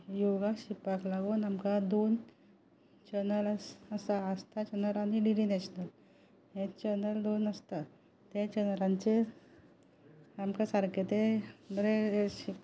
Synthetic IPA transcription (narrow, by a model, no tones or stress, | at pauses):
joɡaɕipaklaɡonamkad̪on | t͡ɕənələəsaəst̪at͡ɕənəlaniɖiɾinɛɕnəl | ɦẽt͡ɕənəld̪onəst̪a | t̪ẽt͡ɕənɾãɲt͡ɕe | amkasaɾket̪ebəɾeeɕip